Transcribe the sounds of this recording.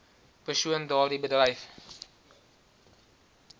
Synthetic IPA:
pərsuəndɑːrdibədrɐjf

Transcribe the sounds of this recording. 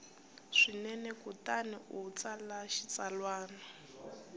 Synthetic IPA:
ʂinɛnɛkutaniʔut͡salaʃit͡salwaːna

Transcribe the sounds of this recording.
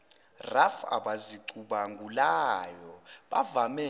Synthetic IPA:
rafa̰ɓaziǀuɓaŋɡʱulajɔɓavamɛ

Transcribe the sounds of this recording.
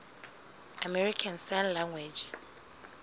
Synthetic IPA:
amɛɹikʰãnsanlãŋɡwɛd͡ʒ

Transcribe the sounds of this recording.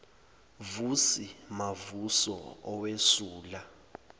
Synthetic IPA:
vusimavusɔ̰ɔwesuːla

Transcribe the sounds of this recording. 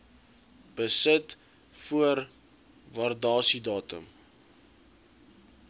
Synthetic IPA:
b̥əsət | fuər | vɐrdɑːsidɑːtə̰m

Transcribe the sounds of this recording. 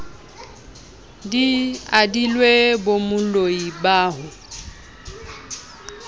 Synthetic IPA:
diadilwebomʊloibaːɦʊ

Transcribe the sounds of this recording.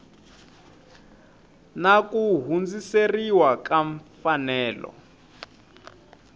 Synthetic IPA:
nakuɦund͡ziseriwakaɱfanɛːlɔ̰

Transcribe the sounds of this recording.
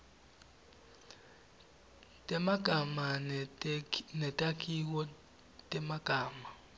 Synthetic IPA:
tʼɛmaɡ̥ʱama | nɛtʼakʼik̬ɔ | tʼɛmaɡ̥ʱaːma

